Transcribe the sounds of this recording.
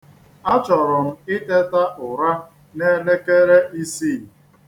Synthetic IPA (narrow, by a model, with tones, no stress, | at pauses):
a˦t͡ʃɔ˨ɾɔ˨m̩˨ɪ˦te˦ta˦ʔʊ˨ɾa˦ | ne˦ne˦ke˦ɾe˦ʔi˦si˦˨